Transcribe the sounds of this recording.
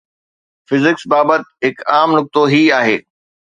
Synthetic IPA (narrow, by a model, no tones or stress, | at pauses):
fɪzɪksbaːbət̪̚ɦɪkaːmnʊk̚t̪oɦiaːɦḛː